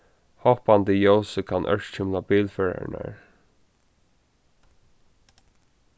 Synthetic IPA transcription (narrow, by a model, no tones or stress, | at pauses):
hohpant̪əjowsəkʰanʔœ̰̥t͡ɕɪmlabiːlfɛɹa̰ɹɳa̰ɹ